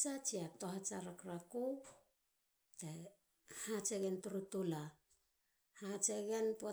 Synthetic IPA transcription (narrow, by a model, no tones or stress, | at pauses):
t͡ʃat͡ʃiato̞ɦat͡ʃaɾakɾaku | te | hat͡ʃeɡentuɾutula | hat͡ʃeɡenpo